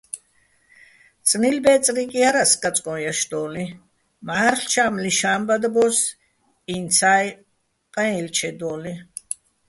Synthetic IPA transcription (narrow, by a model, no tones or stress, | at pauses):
t͡sʼnilbɛːt͡sʼɾikʼiaɾaskʼat͡sʼkʼɔ̃jaʃd̪ɔːli | maɾɬt͡ʃʰaːmliʃaːmbad̪abɔs | int͡sʰaːj | qʼɛ̃ilt͡ʃʰɛd̪ɔːli